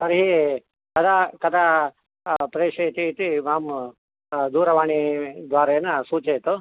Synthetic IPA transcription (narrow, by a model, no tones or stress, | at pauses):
sɐɾɦi | kɐd̪ʰakɐd̪ʰa | pɾeːʂet̪it̪imaːm | d̪uːɾɐʋaːɳid̪ʋaːɾɐjɐnːɐsuːt͡ʃeːt̪o